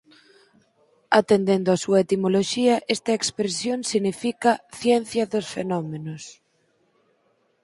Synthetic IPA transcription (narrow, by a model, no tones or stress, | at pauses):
at̪end̪end̪oasuɐet̪imoloʃiɐʔɛst̪ɐekspɾesjoŋsiɣnifikɐθjɛn̟θjɐðosfenɔmenos